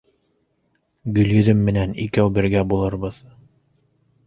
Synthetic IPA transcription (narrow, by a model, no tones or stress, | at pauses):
ɡɵ̆ljɵ̆ðɵmːɘ̆nænḭkæwbɘ̆ɾɡæbulˠɤɾbɤð